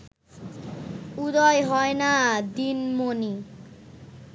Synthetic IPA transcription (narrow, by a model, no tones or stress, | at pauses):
ud̪ɔjɦɔenad̪inmoni